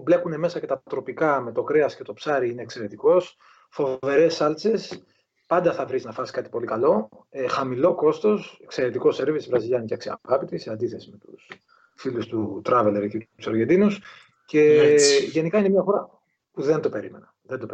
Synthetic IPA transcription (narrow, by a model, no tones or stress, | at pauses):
ble̞kune̞me̞sɐce̞t̪ɐt̪ɾo̞pikɐme̞t̪o̞kɾe̞ɐsce̞t̪o̞psɐɾiine̞ːkse̞ɾe̞t̪iko̞s | fo̞ve̞ɾe̞sːɐlt͡se̞s | pɐnd̪ɐθɐvɾiznɐfɐsi̥kɐt̪i̥po̞likɐlo̞ | exɐmilo̞ko̞st̪o̞sekse̞ɾet̪iko̞se̞ɾvisvɾɐziʎɐnceɐksiɐ̰ɣɐpit̪isiɐnd̪iθe̞sime̞t̪us | filust̪ut̪ɾɐveleɾcit̪u̥sɐɾʝed̪inus | ce̞ʝe̞nikɐinemiɐxo̞ɾɐ | puðe̞nd̪o̞pe̞ɾime̞̰nɐ | ðend̪o̞p